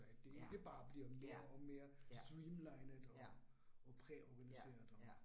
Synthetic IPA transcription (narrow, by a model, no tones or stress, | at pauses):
æd̥ːe̝eɡ̥əb̥ɑ̈ːb̥liɐmeɐɒ̽me̝ːɐsd̥ʁiːmlɑ̈ɪnəɒ̽ː | pʰʁɛʔɒɡ̥ænise̝̰ːɐðˠɒ